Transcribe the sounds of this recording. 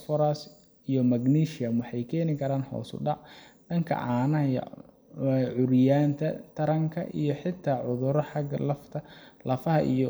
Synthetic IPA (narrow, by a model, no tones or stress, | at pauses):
fɔɾas | ijɔmɐɡniːʃɪjɐmwɑħɑjkʰɛːnɪkʰɐɾaːnhɔ̰ːsʊ̰ɖɑʕɖɐŋkʰɐ̰ʕɑːnɐjɐ̰ | ʕʊɾjaːnt̪ʰɐt̪ʰɐɾɐŋkʰɐ̰ʔijɞħɪt̪ʰaːʕʊðʊɾɔħɑɡɐlɐft̪ʰɐlɐfɐɦɐʔḭjɔ